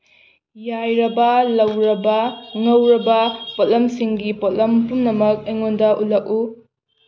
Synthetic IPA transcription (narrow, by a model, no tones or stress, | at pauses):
jajɾɐbɐlɐwɾɐbɐŋɐwɾɐbɐpotlɐmsiŋɡipotlɐmpumnɐmɐk̚eŋondɐʔulɐk̚u